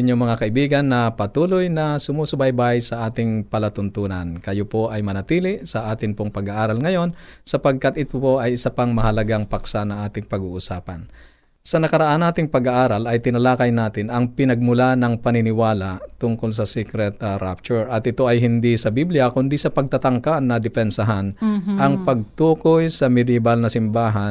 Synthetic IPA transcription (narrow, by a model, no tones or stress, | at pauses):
ɪɲːoŋmɐŋakɐʔɪbiːɡɐnːɐpɐt̪uːlojnɐsʊmusʊbajbajsɐʔaːt̪ɪŋpɐlɐt̪ʊnt̪uːnɐnkɐjopo̞ʔɐjmɐnɐt̪iːlɪsɐʔaːt̪ɪŋpoŋpɐɡaʔaːɾɐlŋɐjo̞nsɐpɐɡ̚kat̪ʔɪt̪ʊpo̞ʔɐjɪsɐpaŋmɐhɐlɐɡaŋpɐksanɐŋʔaːt̪ɪŋpɐɡuːʔʊsaːpɐn | sɐnɐkɐɾɐʔanːaːt̪ɪŋpɐɡɐʔaːɾɐlɐjt̪ɪnɐlaːkɐjnaːt̪ɪnɐŋpɪnɐɡ̚mʊlanɐŋpɐnɪnɪwaːlat̪ʊŋkols̬ɐsikɾɛt̪ɐɾap̚t͡ʃʊɹʔɐt̪̚ɪt̪o̞ʔɐjɦɪnd̪isɐbiblɪjɐkʊnd̪isɐpɐɡ̚t̪at̪ɐŋkanɐd̪ɪpɛnsɐɦanɐŋpɐɡ̚t̪uːkojsɐmɪd̪ɛbalnɐsɪmbaːɦɐn